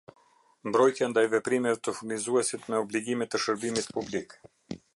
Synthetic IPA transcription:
mbɾɔjt̪jand̪ajvɛpɾimɛvɛt̪əfuɾnizuɛsit̪mɛɔbliɡimɛt̪ːəʃəɾbimit̪publik

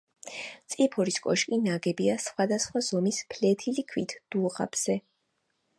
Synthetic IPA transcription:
t̪sʼipʰɔɾiskʼɔ̰ʃkʼinaɡɛbiasχwad̪asχwaz̥ɔmispʰlɛt̪ʰilikʰwit̪ʰd̪̥uʁa̰b̥z̥ɛ

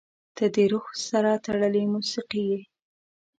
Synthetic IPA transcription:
d̪̥əd̪eɾuxsaɾat̪aɽəlemusiqije

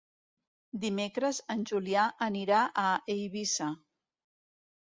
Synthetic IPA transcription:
d̪imekɾəzənʲʒuliaʔəniɾaʔəʔejβisa

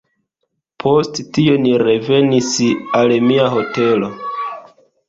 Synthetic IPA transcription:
pʰo̞sttio̞niɾe̞ve̞nisalmiaɦo̞te̞lo̞

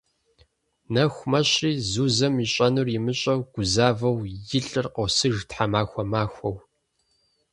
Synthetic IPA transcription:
nɐxʷmɐɕriːzuːzɐmiɕʼɐnurɪmɨɕʼɐwɡʷʊzaːvɐwjɪɬʼɨrqosɨʒtħamaːxʷɔmaːxʷɔw

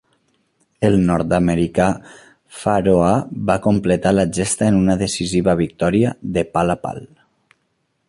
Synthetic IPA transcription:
əlˠnɔɾt̪aməɾika | faɾoaβakomplət̪alaʒest̪aenunəðəsiziβəβ̞ik̚t̪ɔɾiəðəpalapa̰l

